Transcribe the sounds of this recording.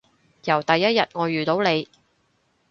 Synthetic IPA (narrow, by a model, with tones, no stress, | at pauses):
jɐ˨˩wt̪ɐ˨jːɐ˥t̚jɐ˨t̚ŋɔː˨˧jyː˨t̪o˨˥wne˨˧j